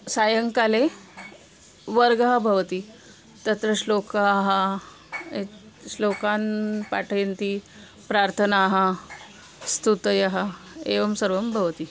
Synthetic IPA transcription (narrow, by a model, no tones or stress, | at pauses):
sajəŋkale | ʋəɾɡəɦabʱəʋt̪iː | t̪ət̪ɾəɕlokəːɦa | e | ɕlokanpaʈʰəjnt̪iː | pɾaɾt̪ʰənaɦa | st̪ut̪jaɦa | eʋəmsəɾʋəmbʱəʋt̪iː